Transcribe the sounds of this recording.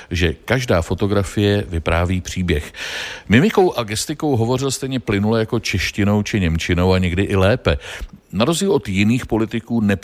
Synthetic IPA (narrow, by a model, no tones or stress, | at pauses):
ʒɛkaʒdaːfo̞t̪o̞ɡɾafɪjɛvɪpɾaːviːpr̝̥iːbjɛxmɪmɪko̞wʔaɡɛst̪ɪko̞wɦo̞vo̞r̝ɪlst̪ɛjɲɛplɪnulɛjako̞t͡ʃɛʃcɪno̞wt͡ʃɪɲɛmt͡ʃɪno̞waɲɛɡdɪʔɪlɛːpɛnaɾo̞zdɟiːlʔo̞t̪jɪniːxpo̞lɪt̪ɪkuːnɛp